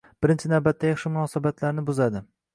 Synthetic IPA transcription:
b̥ɪɾɪnt͡ʃʰɪnawbat̪ːajɑχʃɪmʊnɒsabat̪ʰlaɾnɪbʊzad̪ɪ

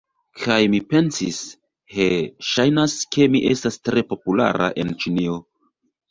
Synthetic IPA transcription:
kʰajmipe̞nsis | ke̞ʃajnaske̞miʔe̞̰stastɾe̞po̞pula̰ɾʔa̰ʔe̞nt͡ʃinio̞

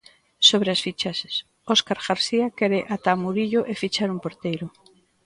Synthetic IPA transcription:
soβɾeasfit͡ʃass | ɔskaɾɣaɾsiakɛɾeʔat̪amuɾiʎʊʔefit͡ʃaɾumpoɾt̪ejɾʊ

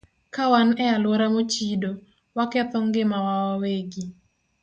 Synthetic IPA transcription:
kawanɛalwoɾamot͡ʃido | wakɛt̪ɔŋɡemawawaweɡi

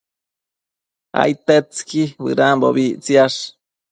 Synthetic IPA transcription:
a̰jt̪et͡skibɨ̰ɾambo̰βiʔt͡siaʂ

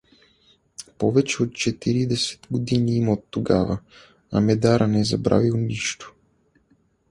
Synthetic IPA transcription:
pɔvɛt͡ʃɛot̪̚t͡ʃɛt̪iɾid̪ɛsɛ̥t̪ɡod̪iniimot̪ːoɡa̰və̰ | ɐ̰mɛd̪aɾʔənɛzɐbɾa̰vilˠniʃt̪o̥

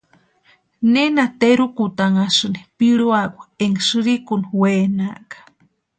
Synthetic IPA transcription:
nenat̪eɾukut̪aŋasɨnipiɺuakʷaeŋsɨɾikunwenaʔkḁ

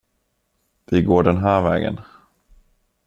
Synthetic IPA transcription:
vɪɡoːɖɛnɦæːɾvɛ̰ːɡə̰n

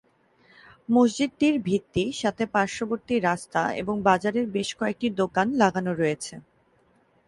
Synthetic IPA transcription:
mosd͡ʑid̪̚ʈiɾbʱit̪ːiʃat̪ʰepaɾʃoboɾt̪iɾast̪aḛboŋbad͡ʑaɾeɾbeʃkɔek̚ʈid̪okanlaɡanoɾoet͡ɕʰe

